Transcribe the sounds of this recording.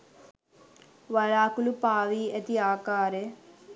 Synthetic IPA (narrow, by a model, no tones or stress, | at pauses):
ʋɐɭaːkulupaːʋiːɐt̪iaːkaːɾe